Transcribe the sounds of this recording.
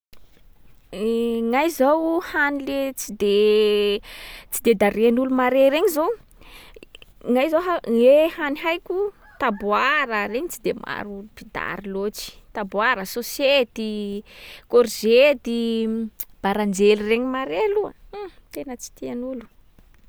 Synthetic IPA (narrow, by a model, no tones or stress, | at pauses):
ŋajzawhanilet͡sid̪e | t͡sid̪ed̪aɾeanulumaɾeɾeɲizo | ŋajzoɦaehaniɦajkʲu | t̪abuaɾəɾeɲit͡sid̪ema̰ɾupid̪a̰ɾilot͡ʃi̥t̪abwaɾəsoset̪i | koɾzed̪i | b̥aɾand͡ʒelireɲimaɾeluat̪enət͡si̥t̪ianulu̥